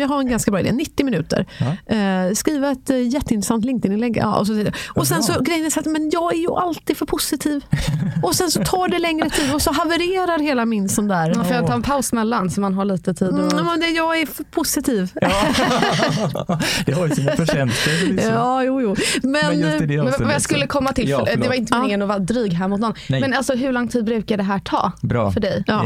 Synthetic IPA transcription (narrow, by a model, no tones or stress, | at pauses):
jɑːɡɦaɾɛnɡanskabɾɑːɪd̪ḛːnɪt̪ːɪmɪnʉ̟ːt̪ə̰ɾ | skɾiːvaɛt̪jɛt̪ːəɪnt̪ɾɛsant̪lɪŋkt̪ɪnɪlɛɡɑ̰ʔɔ̰s̬ɔsɛ̰ʔɔsɛnsɔɡɾɛjənɛsat̪ːmɛnjɑːɡæɾjɵʔalt̪iːd̪fœɾpʰʊsɪt̪ʰiːvɔsɛnsɔt̪ʰɑːɖɛlɛŋɾət̪ʰiːd̪ɔsɔɦavɛɾeːɾaɾheːlamɪnsɔmd̪æːɾfœɾjat̪ɑːɾɛnpʰaʊsmɛlːansɔmːanɦaɭiːt̪ət̪ʰiːd̪mɛnd̪ɛjɑːɡæɾfœɾpʰʊsɪt̪ʰiːv | d̪̥ɛhaɛnsəɑːjuːjuːmɛnvajɑskɵlːəkʰɔmːat̪ɪlfd̪ɛvaɾɪnt̪əmɪŋːənɔvɑɾd̪ɾyːɡɦæɾmʊt̪nɔnːmɛnalsɔɦɵɾɭɔŋːt̪ʰiːd̪bɾʉ̟ːkaɖ̪ɛɦæːʈʰɑ̰ːbɾfœɖɛj